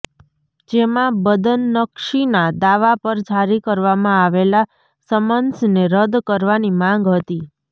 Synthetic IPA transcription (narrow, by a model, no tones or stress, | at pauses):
d͡ʒemãbəd̪ənːəkʃinad̪aʋapəɾd͡ʒʱaɾikəɾʋamãaʋela | səmənsneɾəd̪kəɾʋanimãŋɡɦət̪i